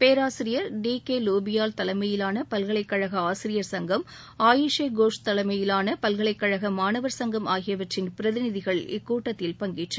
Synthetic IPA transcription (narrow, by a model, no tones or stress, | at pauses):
peːɾaːsɪɾɪjɐɾɖiːkeːloːbɪjaːlt̪ɐlɐɪmɐjɪlaːnɐpɐlɣɐɭɐɪkːɐɻɐɣɐaːsɪɾɪjɐɾsɐŋɡɐm | aːjɪʂeɡoːʂt̪ɐlɐmɐjɪlaːnɐpɐlɣɐɭɐɪkːɐɻɐɣɐmaːnɐʋɐɾsɐŋɡɐmʔaːɣɪjɐʋɐʈrɪnpɪɾɐðɪnɪðɪɣɐɭɪ̰kːuːʈːɐt̪ːɪlpɐŋɡɪʈrɐ